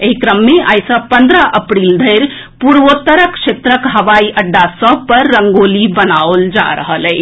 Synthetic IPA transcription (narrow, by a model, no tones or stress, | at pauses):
eɦikɾəmːeʔajsə̃pə̃nd̪ɾəʔəpɾild̪ʱəjɾ | puɾʋot̪əɾəkʃʰet̪ɾəkɦəʋaiʔəɖːasəb̚ʱpəɾːəŋɡolibənaold͡ʒa̰ɾəɦəlɛɪ